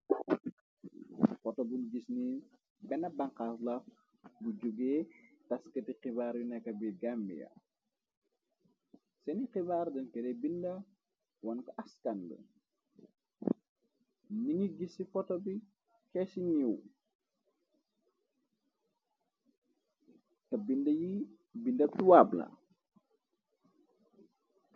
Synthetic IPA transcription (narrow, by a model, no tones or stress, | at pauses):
fɔtɔbunɡisni | bɛnɐbɐŋqaslɐf | bud͡ʒuɡɛːtɐskətiqibaːɾjunɛkːɐbiɡambḭjɐ̰ | sɛniqibaːrdɛnkɛdɛbindɐ | wɐnkɔʔɐskandə̰ | niŋiɡisifɔtɔbi | kɛsiɲiw | kɐbindɐji | bindɐtuwablɐ̰